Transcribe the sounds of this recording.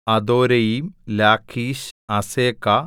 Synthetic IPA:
ɐd̪oːɾɐjimlaːkʰiːɕɐseːkːɐ

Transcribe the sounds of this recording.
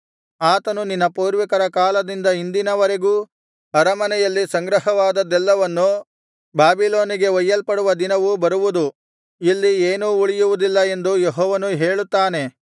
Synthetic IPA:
aːt̪ɐnuninːɐpuːɾʋikɐɾɐkaːlɐd̪ind̪ɐind̪inɐʋɐɾe̞ɡuː | ɐɾɐmɐnɛjɐlːisɐŋɡɾɐɦɐʋaːd̪ɐd̪ɛlːɐʋɐnːu | baːbiloːniɡe̞ʋɐjːɐlpɐɽuʋɐd̪inɐʋubɐɾuʋud̪u | ilːieːnuːuɭijuʋud̪ilːɐe̞nd̪ujeɦɔːʋɐnuɦeːɭut̪ːaːne̞

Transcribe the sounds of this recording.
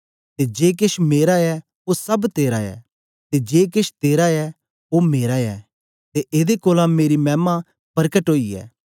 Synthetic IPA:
t̪ed͡ʒeːk̬ɪʃmeːɾaɛ | osɐbt̪eːɾaɛ̰ː | t̪ed͡ʒeːk̬ɪʃt̪eːɾaɛ | omeːɾaɛ̰ː | t̪eʔɪd̪ekoːlãmeːɾimɛːmã | pɐɾkəʈɦoːiɛ̰ː

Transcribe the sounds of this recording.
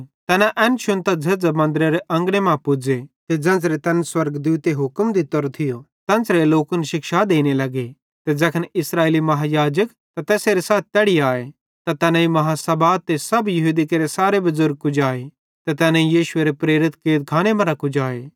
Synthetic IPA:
t̪ɛːnaʔɛ̃ːnʃʊ̃nt̪ad͡zɐd͡zɐmɐ̃nd̪ɾeɾeʔɐ̃ŋɡɽemãpʊd͡ʒet̪ed͡zɐ̃nd͡zɾet̪ɛ̃ːnswɐɾɡd̪uːt̪eɦʊkmd̪it̪ɔɾt̪ʰɪjo | t̪ɛ̃nsɾeloːkənʃɪkʃad̪eːñelɐɡe | t̪ed͡zɐkʰənɪsɾaːeːlimɐɦajaːd͡ʒək | t̪at̪ɛːseɾesaːt̪̚ʰt̪ɛɽiaːe | t̪at̪ɛːnãimɐɦasɐbaːt̪̚t̪ːesɐbjɐɦuːd̪ikeɾesaːɾebɐzʊɾɡ̚kʊd͡ʒaːe | t̪et̪ɛːnãijiːʃʊeɾepɾeːɾɪt̪keːt̪̚kʰaːñemɐɾakʊd͡ʒaːe

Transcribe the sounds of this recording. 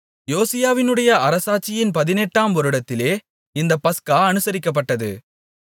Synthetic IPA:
joːsɪjaːʋɪnɯɽɐjɐɐɾɐsaːt͡ʃːɪjɪnpɐðɪnɛʈːaːmʋɔɾɯɽɐt̪ːɪleː | ɪnd̪ɐpːɐskaːɐnɯsɐɾɪkːɐp̬ːɐʈːɐðɯ̰

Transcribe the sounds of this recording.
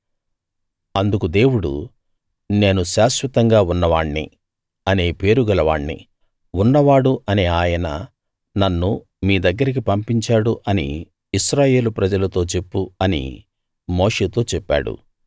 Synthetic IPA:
ɐnd̪ukud̪e̞ːwuɽṵ | ne̞ːnuʃaːʃʋɐt̪ɐŋɡaːunːɐʋaːɳːḭ | ɐne̞ːpe̞ːɾuɡɐlɐʋa̰ːɳːḭ | unːɐʋaːɽuɐneːaːjɐnɐ̰ | nɐnːu | miːd̪ɐɡːɐɾik̬ipɐmpiɲt͡ʃaːɽuʔɐnḭː | ʃɾaːje̞ːlupɾɐd͡ʒɐlɐt̪o̞ːt͡ʃe̞pːuɐnḭ | mo̞ːʂeːt̪o̞ːt͡ʃɛpːa̰ːɽṵ

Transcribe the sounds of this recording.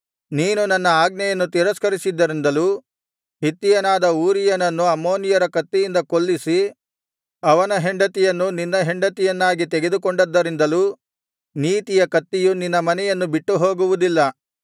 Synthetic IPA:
niːnunɐnːɐaːɡnɐjɐnːut̪iɾɐskɐɾisid̪ːɐɾind̪ɐluː | ɦit̪ːijɐnaːd̪ɐuːɾijɐnɐnːuɐmːo̞ːnijɐɾɐkɐt̪ːijind̪ɐkoɭːisi | ɐʋɐnɐɦeɳɖɐt̪ijɐnːuninːɐɦeɳɖɐt̪ijɐnːaːɡit̪ɛɡe̞d̪ukoɳɖɐd̪ːɐɾind̪ɐluː | niːt̪ijɐkɐt̪ːijuninːɐmɐnɛjɐnːubiʈːuɦo̞ːɡuʋud̪ilːɐ

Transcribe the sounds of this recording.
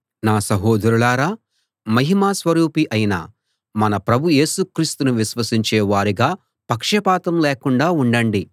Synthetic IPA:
naːsɐɦoːd̪ʱɐɾulaːɾaː | mɐɦimaːsʋɐɾuːpiʔɐjina̰ | mɐnɐpɾɐbʱuje̞ːsukɾiːst̪unuʋiʃʋɐsiɲt͡ʃɛːʋaːɾiɡaː | pɐkʂɐpaːt̪ɐmleːkuɳɖaːuɳɖɐɳɖi

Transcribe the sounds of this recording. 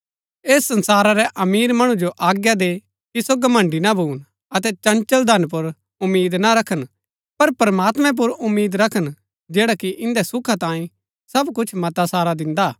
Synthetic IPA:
eːsːɐ̃nsaːɾaɾɛʔɐmiːɾmɐɽ̃ũd͡ʒoʔaːɡjad̪e | kisoɡɐmɐ̃ɳɖinabʱuːn | ɐt̪ɛt͡ʃɐ̃nt͡ʃəld̪ʱɐnp̬ʊɾ | ʊmːiːd̪naɾɐkʰən | pɐɾpɐɾmaːt̪mɛ̃p̬ʊɾʊmːiːd̪ɾɐkʰən | d͡ʒeːɽakiʔɪ̃nd̪ɛsʊkʰat̪ãːĩ | sɐbkʊt͡ʃʰmɐt̪asaːɾad̪ɪ̃nd̪a

